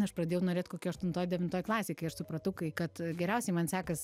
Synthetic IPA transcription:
ɐʃprɐd̪ʲeːjɛʊnoːɾʲeːt̪ʲkoːkʲuːɐʃt̪ʊnt̪oːjd̪ʲɛʋʲɪnt̪oːjklˠɑːsʲeːkɐɪɐʃsʊpɾɐt̪ʊkɐɪkɐt̪ɡʲɛɾʲɛʊsʲɛɪmɐnsʲæːkɐs

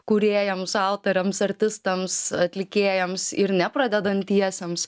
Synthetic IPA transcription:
kuɾʲeːjɛmsɑʊt̪ɐɾʲɛmsɐɾʲt̪ʲɪst̪ɐmsɐt̪ʲlʲɪkʲeːjɛmsɪɾnʲɛpɾɐd̪ʲɛd̪ɐnt̪ʲːiɛsʲɛms

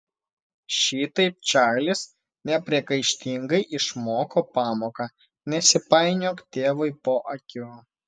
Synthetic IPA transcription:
ʃʲiːt̪ɐɪp̚ʲt͡ʃʲæːlʲɪs | nʲɛpʲɾʲiɛkɐɪʃʲt̪ʲɪŋɡɐɪʔɪʃmoːkoːpɑːmoːkɑ | nʲɛsʲɪpɐˑɪnʲoːkt̪ʲeːʋɐɪpoːʔɐkʲoː

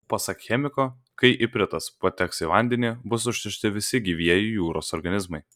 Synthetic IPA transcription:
pɐsɐkxʲɛmʲɪkoː | kɐɪʔɪpʲɾʲɪt̪ɐspot̪ʲɛksiʋɐnʲd̪ʲɛnʲibʊsʊʃʲt̪ʲɪʃʲt̪ʲɪʋʲɪsʲɪɡʲiːʋʲiɛjɪjuːɾoːsɔɾɡɐnʲɪzmɐɪ

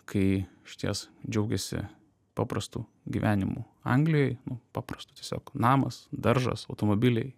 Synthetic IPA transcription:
kʰɐɪɪʃʲt̪ʲiɛsd͡ʒʲɛʊɡʲɛsʲɪ̰ | pɑːpɾɐst̪uː | ɡʲḭːʋʲʔæːnʲɪmṵ | ɐ̰ŋɡlʲɪjoːjnʊpɑːpɾɐst̪ʊ̥t̪ʲiɛsʲo̰ːknɑːmɐsd̪ɐɾʒɐ̰sɐʊt̪oːmoːbʲɪlʲɛɪ

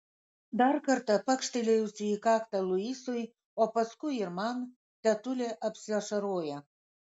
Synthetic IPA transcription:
d̪ɑrkərt̪ə̆pə̆kʃt̪ilʲeut͡siikɑkt̪əluisuj | opəskujirmɑn | t̪æt̪ulʲeʔəpsɑʃə̆ɾojɑ

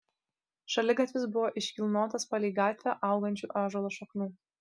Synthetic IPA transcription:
ʃɐlʲɪɡɐt̪ʲʋʲɪsbʊʋoːʔɪʃʲkʲɪlˠnoːt̪ɐspɐlʲiːɡɑːt̪ʲʋʲɛʔɑˑʊɡɐnʲt͡ʃʲuːʔɑːʒolˠoːʃɐknʲuː

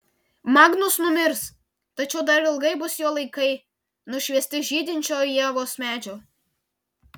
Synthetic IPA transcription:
mɑːɡnʊsnʊmʲɪɾs | t̪ɐt͡ʃʲɛʊd̪ɐɾɪlˠɡɐɪbʊsjoːlˠɐɪkɐɪ | nʊʃʲʋʲiɛsʲt̪ʲɪʒʲiːd̪ʲɪnʲt͡ʃʲoːjiɛʋoːsmʲæːd͡ʒʲoː

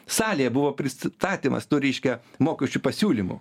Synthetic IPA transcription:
sɑːlʲejɛbʊʋoːpʲɾʲɪst̪ɑːt̪ʲiːmɐ̰st̪uːɾʲɛɪʃʲkʲɛmoːkʲɛʃʲt͡ʃʲupɐsʲuːlʲimʊ̰

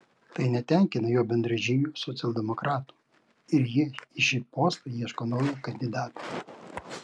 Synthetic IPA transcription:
t̪ɐɪnʲɛt̪ʲɛˑŋʲkʲɪnɐjoːbʲɛnʲd̪ɾɐʒʲɪnʲuːsɔt̪sʲɐlˠʲd̪ʲɛmɔkɾɑːt̪u̥ː | ɪɾjiɪʃʲipoːst̪ɐiɛʃkonoːjukɐnʲd̪ʲɪd̪ɑːt̪u

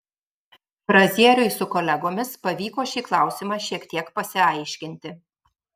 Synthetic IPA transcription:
fɾɐzʲiɛɾʲʊɪsʊkɔlʲɛɡoːmʲɪspɐʋʲiːkoːʃʲiːklˠɑˑʊsʲɪmɑʃʲiɛkt̪ʲiɛkpɐsʲɪɐɪʃʲkʲɪnʲt̪ʲɪ

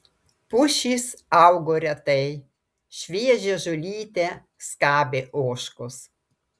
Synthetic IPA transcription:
pʊʃʲiːsɑʊɡoːɾʲɛt̪ɐɪ | ʃʲʋʲiɛʒʲeːʒʊlʲiːt̪ʲe | skɑːbʲeːʔoːʃkʊs

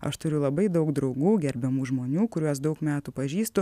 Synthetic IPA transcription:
ɐ̰ʃt̪ʊɾʲʊlˠɐbɐɪd̪ɐʊkd̪ɾɐʊɡuːɡʲɛɾʲbʲɛmuːʒmoːnʲuːkʊɾʲuɔsd̪ɐʊkmʲæːt̪uːpɐʒʲiːst̪ʊ

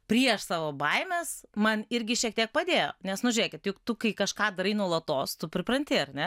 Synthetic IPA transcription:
pʲɾʲiɛʃsɑːʋoːbɐɪmʲeːsmɐnɪɾʲɡʲɪʃʲiɛk̚t̪ʲiɛk̚pɐd̪ʲeːjo̰ːnʲɛsnʊʒʲʊɾʲeːkʲɪt̪jʊkt̪ʊkɐɪkɐʃkɑːd̪ɐɾɐɪnuɔlˠɐt̪oːst̪ʊpʲɾʲɪpɾɐnʲt̪ʲɪɐɾʲnʲɛ

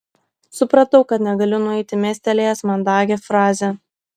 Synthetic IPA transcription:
sʊpɾɐt̪ɐʊkɐt̪nʲɛɡɐlʲɪnʊɛɪt̪ʲɪmʲeːsʲt̪ʲɛlʲeːjɛsmɐnd̪ɑːɡʲefɾɑːzʲe

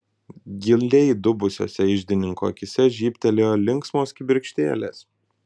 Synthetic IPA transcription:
ɡʲɪlʲˠlʲɛɪd̪ʊbʊsʲo̰ːsʲɛɪʒʲd̪ʲɪnʲɪŋkoːkʲɪsʲɛʒʲiːpʲt̪ʲɛlʲeːlʲɪŋˑksmoːskʲɪbʲɪɾʲkʃʲt̪ʲeːlʲḛːs

